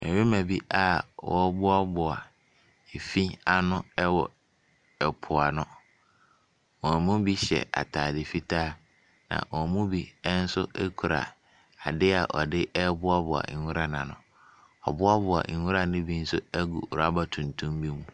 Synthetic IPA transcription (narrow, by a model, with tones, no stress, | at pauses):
ɛ̃˨ɥe˦mã˨bi˦ʔa˨wɔ˦bʊ˦a˦bʊ˨a˨ | e˨fi˦a˨nʊ̃˦ɛ˦wɔ˨ | ɛ˨pʰʊ˨a˨nʊ̃˦ | wɔ̃˨mũ˦bi˦ɕɛ̰˨ʔa̰˨tʰaː˨dɪ˨fi˦tʰaː˦˨ | nã̰˨wɔ˨mũ˦bi˦ɛ˦n̩˦sʊ˦ʔɛ˦kʰu˨ɾa̰˨ | a˨dɪ˦a̰˨ʔɔ˨dɪ˦ʔɛ˦bʊ˦a˦bʊ˨a̰˨ũ˦ɾa˦nã˨nʊ̰̃˨ | ɔ˨bʊ˦a˦bʊ˨a̰˨hũ˦ɾa˨nʊ̃˦bi˦n̩˦sʊ˦ɛ˦ɡṵ˨ɾa˦ba˨tʰũ˨ntʰũ˦mbi˦mũ˦